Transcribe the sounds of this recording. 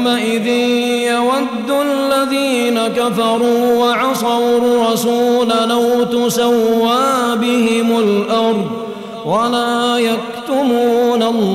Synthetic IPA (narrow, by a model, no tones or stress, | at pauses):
mːaʔɪðɪn | jawad̪ːʊalːaðiː | nakafɑɾˤuːwaʕɑsˤɑɾuɾˤɑsuːlalawt̪ʊsawːaːbɪhɪmʊlʔɑɾˤd̪ˤ | walaːjak̚t̪ʊmuːnalː